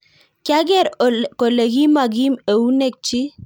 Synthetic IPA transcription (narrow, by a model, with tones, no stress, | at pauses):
kja˦ɡɛ˦˨ɾko˨le˨ɡi˦ma˨ɡi˦me˨wu˦nɛ˦˨k̚t͡ʃi˦